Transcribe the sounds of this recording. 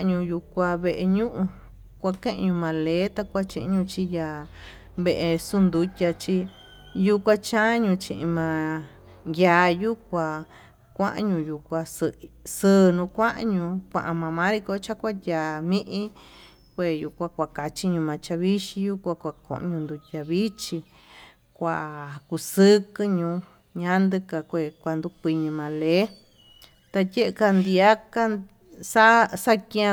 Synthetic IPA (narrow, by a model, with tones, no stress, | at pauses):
a˧ɲũ˧ju˧kʷa˧βe˧ʔe˧ɲũ˦ʔũ˧ | kʷa˧kẽ˦ʔɲũ˧mã˨˧leː˨˦t̪a˧kʷa˦t͡ʃĩ˧ʔĩ˧ɲũ˧t͡ʃi˧ja˧ | βe˧ʔe˧su˦nd̪u˧˦tʲa˧t͡ʃi˧ | ju˧kʷa˧t͡ʃã˦ɲũ˧t͡ʃĩ˧ʔĩ˧mã˧ | ja˧ju˦kʷa˧ | kʷã̰˦ʔã̰˧ɲũ˧ju˧kʷa˧ssɨː˦˧nũ˧kʷã˦ʔa˧ɲũ˧kʷã̰˧ʔã˧mã˧mã˦ɾi˧ko˧t͡ʃa˦kʷa˦jʲaː˨˧mĩ˦ʔĩ˦ | kʷe˧ju˧kʷa˧kʷa˧ka˧t͡ʃi˦ɲũ˧mã˨˧t͡ʃa˧βi˦ʃi˧ju˦kʷa˧kʷa˧kõ̰˨ʔɲũ˧nd̪u˧tʲa˧βi˦t͡ʃi˧ | kʷa˧˨ku˧sɨ˦kɨ˧ɲũ˧ | ɲã˦nd̪ɨ˧ka˧kʷe˧˨kʷa˧nd̪u˧kʷi˧ɲĩ˧mã˧le˦ | t̪a˧tʲe˦ʔe˧ka˧nd̪i˧a˦ka˦ | sa˦sa˦kĩ˧˦ã˧